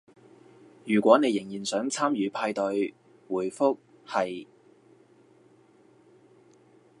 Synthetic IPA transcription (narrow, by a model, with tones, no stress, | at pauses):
jyː˨˩kʷɔː˨˥ne˨˧jɪ˨˩ŋjiː˨˩nsœː˨˥ŋt͡sʰaː˥mjyː˨˧pʰaː˧jt̪ɵ˨˧ɥ | wuː˨˩jfʊ˥k̚ | hɐ˨j